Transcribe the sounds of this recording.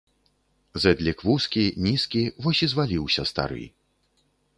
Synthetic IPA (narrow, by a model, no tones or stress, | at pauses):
zɛd̪lʲikvuskʲinʲiskʲivɔsʲizvalʲiwsʲɐst̪a̰ɾɨ̰